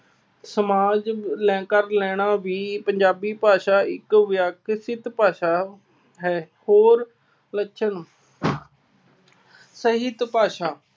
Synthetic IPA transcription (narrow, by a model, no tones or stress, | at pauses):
səmaːd͡ʒlɛ̃ːkəɾlɛːɽ̃aːʋiːpəɲd͡ʒaːbiːpaːʃaːɪkːjaːkɪsɪt̪paːʃaː | ɦɛː | hoːɾ | ləʃʰəɳ | səɦɪt̪paːʃaː